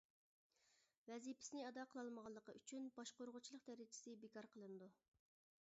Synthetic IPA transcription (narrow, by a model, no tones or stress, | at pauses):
vɛzipʰɪ̥sɪnɪɑd̪ɑqʰəlˠɑlˠməʁɑlˠːəqəyt͡ʃʰynbɑʃqoɾʁʊt͡ʃʰilˠəqd̪æɾɪt͡ʃʰɪ̥sɪbɪkɑɾqʰəlˠɨnɨd̪u